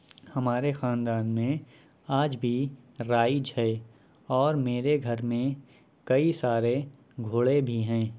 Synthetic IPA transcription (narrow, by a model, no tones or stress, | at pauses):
hɐmaːɾexãːnd̪aːnmẽ | aːd͡ʒbʱiɾaːid͡ʒʱɛe | ɔːɾmeːɾeɡʱɐɾmẽ | kɐisaːɾe | ɡʱʊːɭebʱiɦɛ̃ː